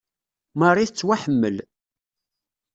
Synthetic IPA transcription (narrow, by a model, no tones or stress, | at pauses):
mərˤːiθət͡sːwaħəmːə̰l